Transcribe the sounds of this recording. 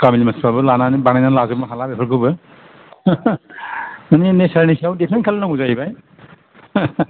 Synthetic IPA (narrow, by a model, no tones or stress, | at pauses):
kamilimaspabɯlananibanajnanlazɯbmaɦalabepʰɯɾkʰɯbɯ | maninesaɹnisiawdipʰenkʰalnaɡuzajbaj